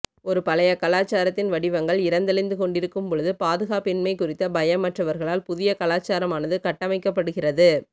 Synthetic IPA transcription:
ɔɾɯpɐlɐjɐkɐlaːt͡ʃːaːɾɐt̪ːɪnʋɐɽɪʋɐŋɡɐɭɪɾɐnd̪ɐlɪnd̪ɯkɔɳɖɪɾɯkːɯmpɔɻɯðɯpaːðɯɣaːpɪnmɐɪkːʊrɪt̪ːɐbɐjɐmːɐʈrɐʋɐɾɣɐɭaːlpʊðɪjɐkɐlaːt͡ʃːaːɾɐmaːnɐðɯkɐʈːɐmɐɪkːɐpːɐɽɯɣɪrɐðɯ

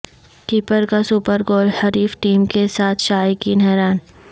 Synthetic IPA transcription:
ʈiːpəɾkasuːpəɾɡoːlhɐɾiːfʈiːmkesaːt̪ʰʃaːjkinɛɦɾaːn

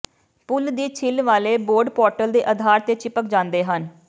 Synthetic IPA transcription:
pʊld̪iːt͡ʃʰɪlʋaːleːboːɾɖpɔːɾʈəld̪eːʔəd̪ʱaːɾt̪eːt͡ʃɪpək̚d͡ʒãːnd̪eːɦən

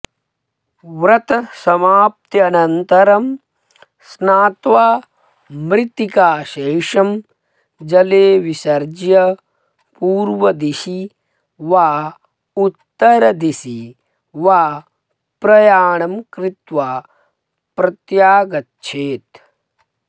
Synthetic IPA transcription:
ʋɾɐt̪ɐsɐmaːp̚t̪jɐːnɐnt̪ɐɾɐm | snaːt̪ʋaː | mɾɪt̪ikaːʃeːʂɐm | d͡ʒɐleːʋisɐɾd͡ʒjɐ | puːɾʋɐd̪isi | ʋaː | ut̪ːɐɾɐd̪isi | ʋaː | pɾɐjaːɳɐmkɾɪt̪ʋaː | pɾɐt̪jaːɡɐtːʃʰeːt̪

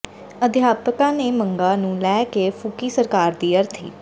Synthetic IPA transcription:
əd̪ɪjaːpəkãːneːməŋɡãːnũːlɛːkeːpʰʊkiːsəɾkaːɾd̪iːəɾt̪ʰḭː

